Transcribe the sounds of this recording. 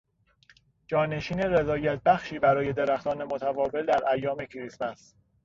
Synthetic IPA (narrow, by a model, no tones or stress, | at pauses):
d͡ʒɒːne̞ʃiːne̞ɾezɒːjæt̪̚ʰbæxʃiːbæɾɒːje̞d̪eɾæxt̪ɒːne̞mot̪ʰævɒːve̞ld̪æɾʔæjːɒːme̞cʰiɾismæs